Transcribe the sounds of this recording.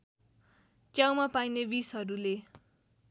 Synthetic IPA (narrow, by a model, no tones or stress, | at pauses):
t͡sjawmapajnebisɦʌɾule